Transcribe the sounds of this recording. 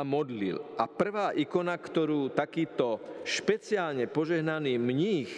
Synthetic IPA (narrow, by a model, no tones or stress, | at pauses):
amɔd̪lḭlʔapr̩ʋaːʔikɔnakt̪ɔɾuːt̪akiːt̪ɔʃpɛt͡sɪaːlɲɛpɔʒɛɦnaniːmɲiːx